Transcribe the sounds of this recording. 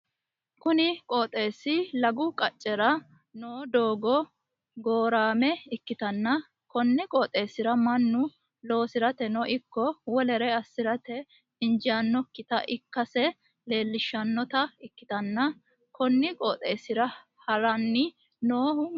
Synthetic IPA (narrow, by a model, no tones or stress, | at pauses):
kʊnɪkʼɔːt̪ʼeːsɪlɐɡʊkʼɐt͡ʃʼːɛɾɐ | noːd̪o̞ːɡɔ | ɡoːɾaːmɛɪkːɪt̪ɐnːɐ | kɔnːɪkʼɔːt̪ʼe̞ːsɪɾɐmɐnːʊ | lo̞ːsɪɾɐt̪ɛnɔʔɪkːɔwɔlɛɾɛɐsːɪɾɐt̪ɛ | ɪnd͡ʒaːnːɔkːɪt̪ɐʔɪkːɐsɛ | le̞ːlːɪʃːɐnːɔt̪ɐɪkːɪ̥t̪ɐnːɐ | kʰɔnːɪkʼɔːt̪ʼeːsɪɾɐ | hɐɾɐnːɪ | noːhʊ